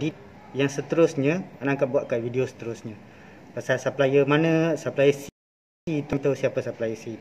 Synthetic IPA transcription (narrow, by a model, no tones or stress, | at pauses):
dit̪̚ | jaŋsət̪əɾʊsɲəanaŋkaʔ̚buat̪̚kavidiosə̥t̪əɾʊsɲə̃pasalsaplajəmanə̃saplajəs | it̪uŋt̪ausiapəsaplajəsi